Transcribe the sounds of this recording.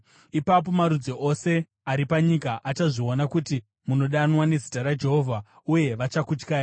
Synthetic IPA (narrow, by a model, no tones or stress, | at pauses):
ipap̬o̞maɾud͡zoʔo̞se̞ | aɾipaɲikaʔat͡ʃaʐio̞nakuti | muno̞ɗanwane̞zitaɾad͡ʒe̞ɦo̞vʱa | uje̞ʋat͡ʃakut͡ʃkaː